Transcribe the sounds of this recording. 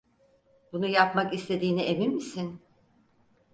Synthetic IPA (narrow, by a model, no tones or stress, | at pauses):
bunujapmakist̪ʰe̞d̪iːnieminmisin